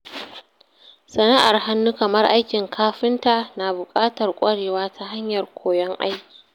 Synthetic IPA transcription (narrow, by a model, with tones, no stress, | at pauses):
sɐ˨na˦ʔa˨rɦa˦nːu˦kɐ˨mɐ˦rʔa˦jkʲɪ˨ŋkʰaː˦ɸɪ˦nta˨naː˨bʊ˨kʼaː˦tɐ˨rkʷʼɐ˦ɽeː˨waː˦tʰa˨ɦa˦ɲjɐ˨rkʷʰoː˨jɔ˦ŋʔa̰˦jkʲi̥ː˨